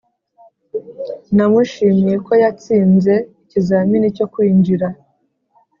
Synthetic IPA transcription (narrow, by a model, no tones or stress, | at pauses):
namuʃimije̞ko̞jat͡siːnze̞icizaːminico̞kwiːɲd͡ʒiɾa